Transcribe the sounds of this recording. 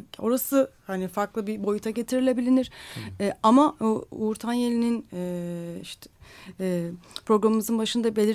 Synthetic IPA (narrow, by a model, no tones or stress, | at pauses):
o̞ɾasɯhanifaɾklˠɯbibo̞jut̪ʰaɟe̞t̪ʰiɾilʲe̞bilʲiniɾ̥ɛamauɾt̪ʰanje̞lʲininɛiʃt̪ʰɛ | pɾo̞ɡɾamɯmɯzɯnbaʃɯnd̪abe̞lʲiɾ